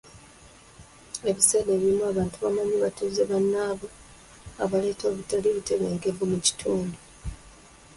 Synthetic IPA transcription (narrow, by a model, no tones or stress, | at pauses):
e̞βiseːde̞ːβiɾimuaβaːntuβamaɲiβatuːzeβanːaːβo | a̰βale̞ːto̞ːβutaliβiteβeːŋɡevumuci̥tʰuːndu